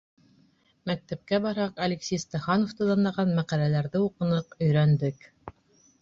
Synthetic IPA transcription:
mæk̚t̪æp̚kæbɑɾhɑqɐlʲɪksʲijst̪ɑχɑnoft̪ɤd̪ɑnɑʁɑnmæqælælæɾðɘuqɤ̆nɤqɵ̆jɾænd̪ɘk

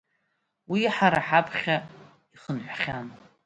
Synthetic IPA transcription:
wiħaɾaħapʰχʲa | iχənħʷaχʲan

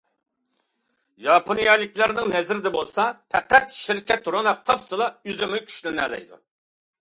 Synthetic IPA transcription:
jɑpʰonijɑlˠɪkʲlˠɑɾnɨŋnɛzɪɾɪd̪ɛbolˠsɑpʰɛqæt̪ʃiɾkʲɛt̪ːuɾɑlˠɑp̚t̪ʰɑpsɨlˠɑyzɪmykʲʰy̥ʃlɪnɛ̰lɛ̰jd̪ṵ

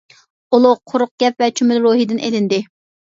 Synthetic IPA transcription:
olˠʊqʰʊɾʊq̚ɡ̥ʲɛp̚vɛt͡ʃʰymɪlɾoɦid̪ɪnʔelɪnd̪ɪ

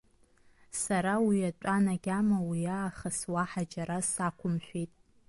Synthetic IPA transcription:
saɾawiat͡ʃʷʼanaɡʲamawiaːχaswaħad͡ʒaɾasakʷʰʊmʃᶣejtʼ

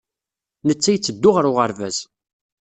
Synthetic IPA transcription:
nət͡sːæjt͡sːəd̪ːʊʁɾʊʁəɾvæz̥

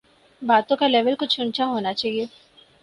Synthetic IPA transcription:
baːt̪õkalɛːʋəlkʊt͡ʃʰʊ̃ɳt͡ʃaɦoːnat͡ʃaːɦie

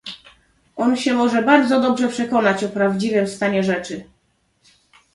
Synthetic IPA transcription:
ɔnɕɛmɔʐɛbaɾd̪zɔd̪ɔbʐɛpʂɛkɔnat͡ɕɔpɾavd͡ʑivɘmst̪aɲɛʐɛt͡ʂɘ

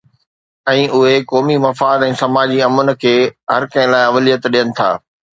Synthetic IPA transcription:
ɛ̃ːʔʊɦekɔːmimɐfaːd̪ɛ̃ːsɐmaːd͡ʑiɐmʊnɪ̆kʰeːɦɐ̰ɾkɐ̃ɦɪ̃laːɪɐʋlijət̪ɗijənɪ̆t̪ʰa̰ː

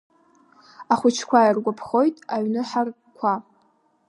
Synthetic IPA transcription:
aχʷʊt͡ʃʰkʷʰajirɡʷapʰχo̞jtʼaɥnɨħar | kʷʰa

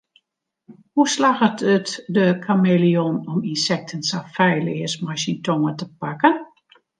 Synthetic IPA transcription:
huslaɣətətdəkʰamelionɔminsɛk̚tʰənsafɛjlɪːəsmasintʰɔŋətəpakən

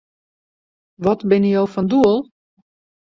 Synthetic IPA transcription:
ʋɔtbɪnəjowfɔnduəlˠ

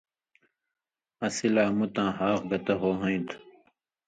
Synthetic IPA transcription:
ɐsilaːmut̪ãːhaːqɡɐt̪ɐɦoːɦɐ̃ĩt̪

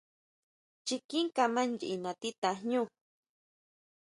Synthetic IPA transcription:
t͡ʃikiŋkamand͡ʒiʔinat̪it̪ahɲu

